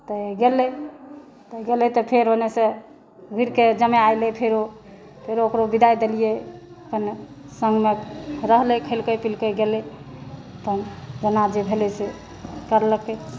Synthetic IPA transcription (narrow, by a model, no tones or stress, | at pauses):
t̪əɡelɛ | t̪əɡelet̪ɔpʰeɾonesẽ | ɡʱuɾked͡ʒəmeajlepʰeɾo | pʰeɾookɾobid̪ajd̪elijeəpənsəŋɡmeɾəɦlekʰəlkəpilkəɡelɛ | əp̪ənd͡ʒənad͡ʒebʱelɛse | kəɾləke